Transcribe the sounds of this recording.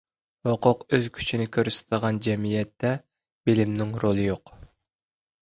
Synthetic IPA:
hoqʰʊqøz̥kʲʰy̥t͡ʃʰinɪkʲʰøɾsɪ̥t̪ʰɨd̪əʁɑnd͡ʒɛmijɛt̪ʰːɛ | b̥ilɪmnɪŋɾolˠɨjoq

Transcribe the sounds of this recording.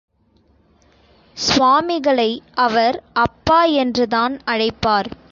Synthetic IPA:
sʋaːmɪɣɐɭɐɪɐʋɐɾɐpːaːɛndrɯðaːnɐɻɐɪpːaːɾ

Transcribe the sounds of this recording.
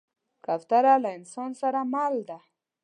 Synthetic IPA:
kaft̪aɾalaɪnsɑnsaɾamald̪a

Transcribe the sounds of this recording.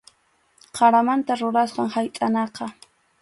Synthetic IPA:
qʰɑɾamant̪aɾʊɾasqɑŋhajt̪ʼanɑqɑ

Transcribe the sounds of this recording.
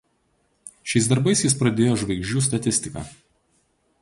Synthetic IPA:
ʃʲɛɪsd̪ɐɾbɐɪsjɪspɾɐd̪ʲeːjoːʒʋɐɪɡʒʲd͡ʒʲuːs̬t̪ɐt̪ʲɪsʲt̪ʲɪkɐ̰ː

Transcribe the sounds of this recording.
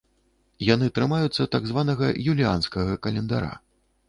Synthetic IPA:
janɨt̪ɾɨmajut̪sːɐt̪aɡzvanɐɣɐjulʲianskɐɣɐkɐlʲɛnd̪a̰ɾa̰

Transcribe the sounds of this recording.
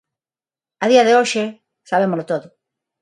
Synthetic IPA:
aðiaðeoʃe | saβ̞emolot̪oðʊ

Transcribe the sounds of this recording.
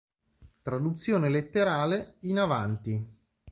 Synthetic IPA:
t̪ɾad̪ut̪sːjoːnelet̪ːeɾaːleinavant̪i

